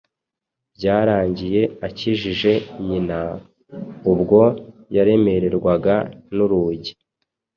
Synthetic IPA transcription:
bɟaːɾaːɲɟije̞aciʒiʒe̞ɲina | ubɡo̞jaɾe̞me̞ɾe̞ɾɡwaɡanuɾuːɟi

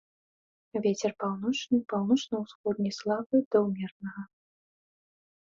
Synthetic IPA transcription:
vʲet͡sʲɛrpawnɔt͡ʂnɨpawnɔt͡ʂnɐwsxɔd̪nʲɛjslˠavɨd̪ɐwmʲɛrnɐɣɐ

